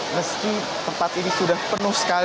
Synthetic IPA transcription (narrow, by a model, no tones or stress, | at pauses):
məski | t̪əmpat̪inisudahpərnʊhsə̥kal